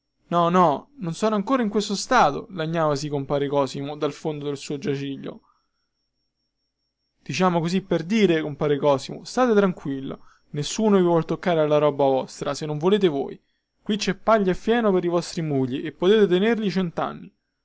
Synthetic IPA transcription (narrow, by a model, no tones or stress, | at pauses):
nɔnɔnonsɔːnoaŋkoːɾaiŋkwest̪ost̪aːt̪o̰laɲːaːvas̬ikompaːɾekɔːsimod̪alfond̪od̪elsuːod͡ʒat͡ʃiʎːo̰ | d̪̥it͡ʃaːmokozipːerd̪iːɾekompaːɾekɔːsimo̰st̪aːt̪et̪ɾaŋkwilːo̰ | nesːuːnovivwɔlt̪okːaːɾealːaɾɔːbavɔst̪ɾasenːoɱvoleːt̪̬evo̰ːj | kwit͡ʃːɛpːaʎːaefːjɛːnopeɾivɔst̪ɾimuʎːiʔepːot̪eːt̪et̪enerʎit͡ʃɛnt̪a̰nːi